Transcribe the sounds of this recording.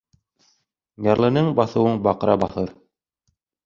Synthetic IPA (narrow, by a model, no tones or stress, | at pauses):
jɑɾlˠɤ̆nɤɴbɑθɤ̆wɤɴbɑqɤ̆ɾɑbɑθɤɾ